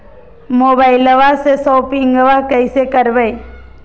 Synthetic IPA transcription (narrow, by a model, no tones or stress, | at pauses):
moːbaːɪləʋasesɔːpɪ̃ŋɡəʋakəɪsekəɾbəj